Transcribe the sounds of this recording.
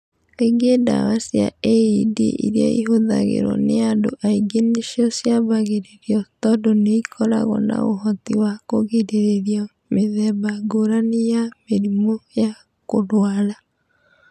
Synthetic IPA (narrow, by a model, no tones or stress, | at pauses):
eŋɡeda̰wasia̰eidḛʔḭɾjaiɦoðaɣḛɾɔ̰neadoʔaiɡeneʃiɔsjaβaɣeɾeɾiɔtɔdɔneikʰɔɾa̰ɣɔna̰oɦɔtiwakoɣeɾeɾeɾiɔ | meðɛβaɡoɾanejameɾimoja | koɾwala